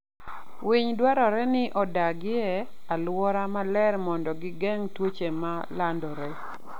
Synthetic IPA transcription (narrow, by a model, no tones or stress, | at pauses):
wiɲdwaɾɔɾɛnɪʔɔdaɡɪɛ | alwɔɾamalɛɾmɔndɔɡɪɡɛŋtwot͡ʃemalandɔɾɛ